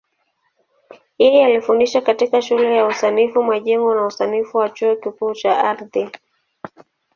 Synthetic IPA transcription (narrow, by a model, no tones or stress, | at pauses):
jɛjɛalifundiʃakatikaʃulɛjausanifumwaʄɛŋɡɔnausanifuwat͡ʃuɔkikuːt͡ʃaaɾði